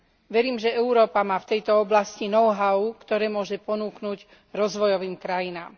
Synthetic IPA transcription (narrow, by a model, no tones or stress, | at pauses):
ʋɛɾiːmʒɛɛuɾɔːpamaːft̪ɛjt̪ɔɔblascinɔʊɦaʊkt̪ɔɾɛːmʊɔʒɛpɔnuːknuɟ | ɾɔzʋɔjɔʋiːmkɾajinaːm